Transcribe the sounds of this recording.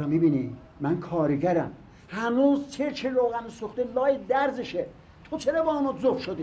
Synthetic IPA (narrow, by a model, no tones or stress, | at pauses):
ɑmibiːni | mænkʰɒːɾeɡæɾæm | hænuːzt͡ʃʰeɾt͡ʃʰeɾoːɣænesoxt̪elɒːjed̪æɾzeʃe | t̪ʰot͡ʃʰeɾebɒːnɔzofʃod̪iː